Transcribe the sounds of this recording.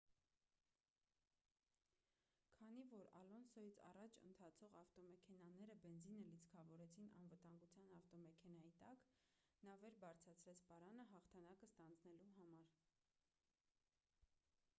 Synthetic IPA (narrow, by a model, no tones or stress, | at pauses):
kʰɑnivɔɾɑ̰lɔnsɔjit͡sʰɑ̰rɑt͡ʃʰə̰nt̪ʰɑt͡sʰɔʁɑft̪ɔmɛkʰɛnɑnɛɾəbɛnzinəlit͡sʰkʰɑvɔɾɛt͡sʰinɑ̰nvət̪ɑŋɡut͡sʰjɑnɑft̪ɔmɛkʰɛn̪ɑjit̪ɑknɑvɛɾbɑɾt͡sʰɾɑt͡sʰɾɛt͡sʰpɑɾɑnəɦɑχt̪ʰɑnɑkəst̪ɑnd͡znɛluɦɑmɑɾ